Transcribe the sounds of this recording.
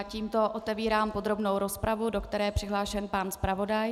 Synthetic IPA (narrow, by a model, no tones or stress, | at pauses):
ciːmt̪o̞ʔot̪ɛviːɾaːmpod̪ɾo̞bno̞wɾo̞spɾavudo̞kt̪ɛɾɛːjɛpr̝̥ɪɦlaːʃɛnpanspɾavo̞daj